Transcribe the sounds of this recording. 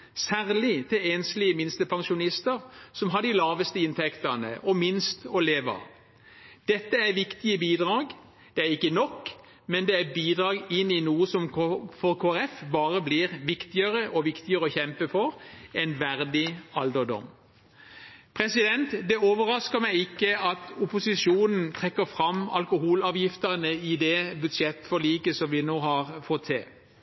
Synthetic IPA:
sæːʁlɪt̪ʰɪleːnslɪəmɪnst̪əpʰɑŋʃʊnɪst̪əʁsɔmɦɑd̪ɪlɑːʋəst̪əɪnt̪ʰɛkt̪ənə̰ʔɔmɪnst̪ɔleːʋɑ̰ | d̪̥ɛt̪ːəæʋɪkt̪ɪəbiːd̪ʁɑːɡ | d̪̥ɛæʁɪkːənɔkː | mɛnd̪ɛæbiːd̪ʁɑːɡɪnːɪnuːəsɔmfɔʁkʰoːæɾɛfbɑːʁəbliːʁʋɪkt̪ɪəɾəʔɔʋɪkt̪ɪəʁəɔçɛmpəfɔʁɛnʋæʁd̪ɪɑld̪əd̪ɔ̰m | pʰʁɛsɪd̪ɛnt̪d̪ɛoːʋəʁɑskəmæɪɪkːəɑt̪ʊpʊsɪʃuːnn̩t̪ʰʁɛkːəfʁɑmɑ̰lkʊhuːlɑːʋjɪft̪ənəɪd̪ɛbʉd̪ʃɛt̪ːfɔliːkəsɔmʋɪnoːhɑʁfɔt̪ʰːɪ̰l

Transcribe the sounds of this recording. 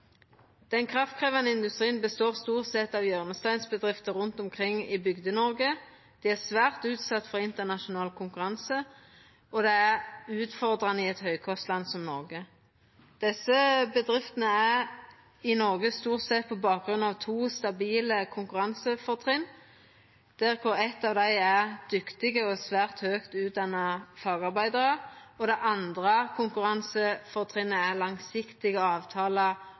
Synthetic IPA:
d̪̥ɛnkʰʁɑft̪̚kʰʁeːʋɑnəɪnd̪ʉst̪ʁiːənbəst̪oːʁst̪uːʁt̪sɛt̪ɑʋjœʁnəst̪æɪnsbəd̪ʁɪft̪əʁʉnt̪ɔmkʰʁɪŋːɪbʏɡd̪ənɔʁɡə | d̪̥iːæʁsʋæːʁt̪ʉːt̪sɑt̪ːfɔʁɪnt̪əʁnɑʃʊnɑːlkʰʊŋkʉʁɑnsə | ʔɔd̪ɛæʁʉːt̪fɔʁd̪ʁɑnəɪɛt̪hœʏkʰɔst̪lɑnsɔmnɔʁɡə | d̪̥ɛsːəbəd̪ʁɪft̪ənəæʁ | ɪnɔʁɡəst̪uːʁt̪sɛt̪̚pʰɔbɑːk̚ɡʁʉnɑʋt̪ʰuːst̪ɑbiːləkʰʊŋkʉʁɑnsəfɔʁt̪ʰʁɪn | d̪̥æʁkʰʊʁɛt̪ːɑːʋd̪æɪæʁd̪̥ʏkt̪ɪɡəɔsʋæːʁt̪høːkt̪ʉːt̪̚d̪ɑnːəfɑːɡɑʁbæɪd̪əʁəɔd̪ɛʔɑnd̪ʁəkʰʊŋkʉʁɑnsəfɔʁt̪ʰʁɪnːəæʁlɑŋsɪkt̪ɪɡəɑːʋt̪ʰɑːlə

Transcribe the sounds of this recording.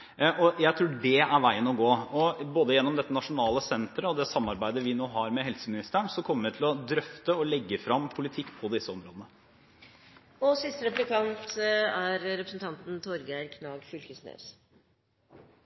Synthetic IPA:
ɔjæɪt̪ʰɾuːɖɛæɾʋæɪənɔɡoːɔboːd̪əjɛnːɔmd̪ɛt̪ːənɑʂʊnɑːləsɛnt̪ɾəɔd̪ɛsɑmːɑɾbæɪd̪əʋɪnoːɦɑɾmɛɦɛlsəmɪnɪst̪əəɳsɔkʰɔmːəɾʋɪt̪ʰɪlɔd̪ɾœft̪əɔlɛɡːəfɾɑmːpʰʊlɪt̪ʰɪkːpʰɔd̪ɪsːəɔmɾoːd̪ənə | ɔsɪst̪əɾɛplɪkʰɑnt̪æɾɾɛpɾəsənt̪ʰɑnt̪n̩t̪ʰɔɾɡæɪɾkʰnɑːɡfʏlkəsnø̰ːs

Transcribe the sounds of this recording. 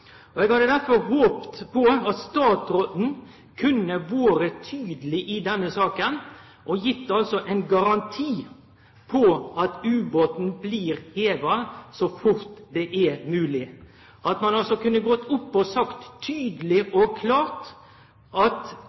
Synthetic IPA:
ɔɛɡhɑd̪əd̪æɾfɔɾɦoːpt̪pʰɔɑt̪st̪ɑːt̪ɾoːt̪n̩ | kʰʉnːəʋoːɾət̪ʰyːd̪lɪʔɪd̪ɛnːəsɑːkən | ʔɔjɪt̪ːəɑlsɔʔɛɪnɡɑɾɑnt̪ʰiː | pʰɔɑt̪ʉːboːt̪n̩bliːɾheːd̪ɾɑsɔfʊɾt̪d̪ɛʔæɾmʉːlɪ | ʔɑt̪mɑnɑlsɔkʉnːəɡɔt̪ːʊpːɔsɑkt̪ʰːyːd̪əlɪʔɔkʰlɑːɾt̪ | ɑt̪

